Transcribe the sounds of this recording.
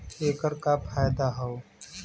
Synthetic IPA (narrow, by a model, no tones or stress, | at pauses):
eːkəɾkapʰaːjd̪aɦɐo